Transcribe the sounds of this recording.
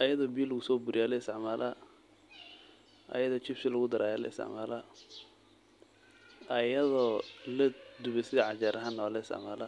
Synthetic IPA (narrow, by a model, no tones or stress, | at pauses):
ʔɐjɐðɔbilːɐɣʊsɔːbʊɾɪjaːlɛɪst̪ɛʕmaːlʔɐ | ʔɐ̰jɐðɔːt͡ʃɪfsɪlɐɣʊd̪ɐɾʔaːjaːlɐ̰ɪ̰st̪ɛ̰ʕmaːlɐ | ɐjɐðɔlɐd̪ʊβɛsɪðɐʕɑt͡ʃaːɾʔɐɦɐnːɔːlɛɪst̪ʕmaːlɐ